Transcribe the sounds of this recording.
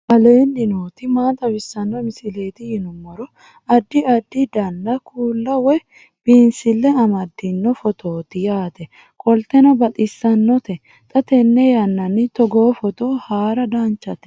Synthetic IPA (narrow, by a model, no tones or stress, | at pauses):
ʔɐleːndɪnoːt̪ɪmaːt̪ɐbɪsːɐnːɔmɪsɪle̞ːt̪ɪjɪnʊmːɔɾɔ | ɐd̪ːɪɐd̪ːɪd̪ɐnːɐkʰuːlːɐwɛ | b̥iːnsɪlːɛɐmɐd̪ːɪnːɔfɔt̪ʰoːt̪ɪjaːt̪ɛ | kʼɔlt̪ɛnɔbɐt̪ʼɪsːɐnːɔt̪ɛ | t̪ʼɐt̪ɛnːɛjɐnːɐnːɪt̪ɔɡoːfɔt̪oːhaːɾɐd̪aːnt͡ʃːɐt̪ɛ̥